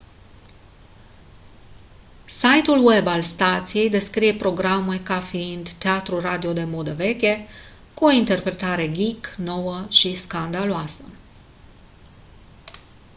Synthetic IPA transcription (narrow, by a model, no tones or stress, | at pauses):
sajt̪ulwe̞balst̪at̪sije̞jd̪e̞skɾije̞pɾo̞ɡɾame̞kafiind̪t̪eat̪ɾurad̪io̞d̪e̞mo̞d̪əve̞kʲe̞ | kuo̞int̪e̞rpɾe̞t̪aɾe̞ɡʲikno̞wəʃiskand̪aloasə